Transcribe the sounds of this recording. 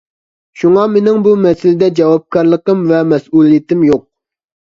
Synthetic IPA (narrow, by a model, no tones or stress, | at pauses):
ʃuŋɑmenɪŋbumɛsɪlɪd̪ɛd͡ʒɑwɑp̚kʰɑɾlˠəqəmvɛmɛsulˠijit̪ɪmjoq̚